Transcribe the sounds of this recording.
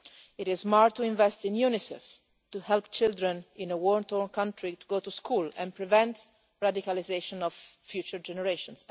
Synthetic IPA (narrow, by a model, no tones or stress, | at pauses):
iɾɪzmaɹt̪ːuĩɱvɛst̪ĩnjunisɛ̰f | t̪uhɛlpt͡ʃɪld̪ɾɛ̃nĩnəwɔɹnt̪ɔɹnkãntʰɾit̪uɡot̪uskʰuːlɛ̰̃npɹivɛ̃nt̪ | ɹad̪ikalizeʃɔ̃nɔv̥fjuːt͡ʃəɹd͡ʒɛnɛɹeʃɔ̃ns